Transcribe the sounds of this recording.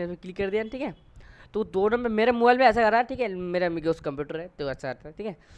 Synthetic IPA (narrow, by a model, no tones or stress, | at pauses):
esmẽklikːɐɾd̪ijaːnʈʰiːkɦɛː | t̪od̪oːnɐmmemeːɾemoːbaːjlmẽɛːs̬akɐɾt̪aːʈʰiːkɦɛmeːɾamɡeʊskɐ̃mpjuːʈəɾɦɛt̪oɐtːʃʰakɐɾt̪aʈʰiːkɦɛː